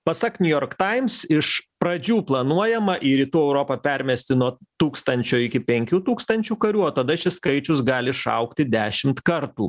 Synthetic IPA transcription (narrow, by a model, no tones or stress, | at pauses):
pɐsɐknʲʊjoːɾkt̪ɐɪmsɪʃpɾɐd͡ʒʲuːplˠɐnuɔjɛmɐʔiɾʲiːt̪uːɛʊɾoːpɐpʲɛɾʲmʲɛsʲt̪ʲɪnuɔt̪uːkst̪ɐnʲt͡ʃʲoːɪkʲɪpʲɛŋʲkʲuːt̪uːkst̪ɐnʲt͡ʃʲuːkɐɾʲuːoːt̪ɐd̪ɐʃʲɪskɐɪt͡ʃʲʊsɡɑːlʲɪʃɐ̰ʊkt̪ʲɪd̪ʲæːʃʲɪmt̪kɐɾt̪ṵː